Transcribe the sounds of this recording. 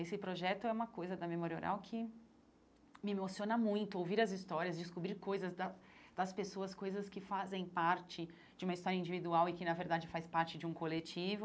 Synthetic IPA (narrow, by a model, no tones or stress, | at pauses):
esɪpɾoʒɛt̪ʊɛũmɐkojzɐd̪ɐmemoɾio̰ɾa̰wkʰɪ | mɪmosiõnɐmũj̃t̪ʊowviɾɐzist̪ɔɾiɐzd͡ʒɪskubɾiɾkojzɐzd̪ɐd̪̥ɐspesoɐskojzɐskɪfazẽj̃paɾt͡ʃɪ | d͡ʒɪũmɐist̪ɔɾjɐĩnd͡ʒivid̪uawɪkɪnɐveɾd̪ad͡ʒɪfajspaɾt͡ʃɪd͡ʒɪũkolet͡ʃivʊ